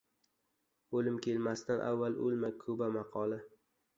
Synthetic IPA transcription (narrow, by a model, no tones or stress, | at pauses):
olɪmkʲʰe̞lmast̪anʔa̰vːalʔolmakʰɵbamɑqʰɒla